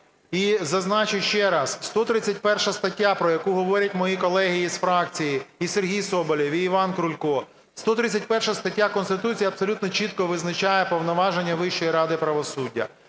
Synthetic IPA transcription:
izɐznɑt͡ʃɪjʃt͡ʃɛɾɑsst̪ɔt̪ɾɪt͡sʲːɐt̚ʲpɛrʃɐst̪ɐtʲːapɾɔjɐkuɦɔʋɔɾʲɐt̚ʲmɔjikɔlˠɛɦiisfɾɑkt͡sʲijiiserɦʲijsɔbɔlʲiʋʲiːʋɑnkɾʊlʲkɔ | st̪ɔt̪ɾɪt͡sʲɐt̚ʲpɛrʃɐst̪ɐtʲːakɔnst̪ɪt̪ut͡sʲijɐpsɔlʲut̪nɔt͡ʃit̪kɔʋɪznɐt͡ʃajɛpɔwnɔʋɑʒenʲːɐʋɪʃt͡ʃɔjiɾɑd̪ɪpɾɐʋɔsudʲːɐ̰

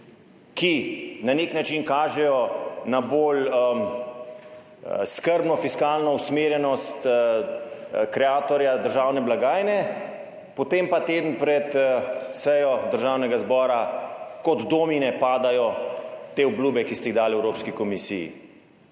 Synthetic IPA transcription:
kinaneːknat͡ʃinkaːʒɛjɔnaboːl | skəɾbnɔfiskaːlnɔusmeːɾjɛnɔst̪ | kɾɛaːt̪ɔɾjad̪əɾʒaːwnɛblaɡaːjnɛ | pɔt̪eːmpat̪eːd̪n̩pɾɛt̪sɛjɔd̪əɾʒaːwnɛɡazbɔːɾakɔd̪d̪oːminɛpaːd̪ajɔt̪eːubluːbɛkist̪ɛiɣd̪aːlɛwɾoːpskikɔmisḭːjḭ

